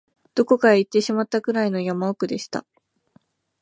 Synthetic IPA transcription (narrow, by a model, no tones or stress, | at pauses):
d̪̥o̞ko̞kaait̪ːe̞ɕimat̪ːaɡɯ̟ɾaino̞jamaokɯ̟d̪e̞ɕi̥t̪a̰